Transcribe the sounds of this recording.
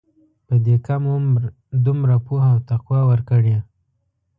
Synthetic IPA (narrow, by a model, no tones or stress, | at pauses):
pəd̪ekamm | d̪umɾapuhawt̪aqwɑwəɾkəɽe